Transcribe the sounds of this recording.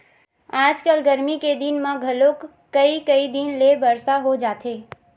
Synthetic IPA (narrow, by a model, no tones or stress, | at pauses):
aːd͡ʒkəlɡəɾmiked̪ɪnmãɡʱɐlokː | əikəid̪ɪnlebəɾsaɦod͡ʒaːt̪ʰeː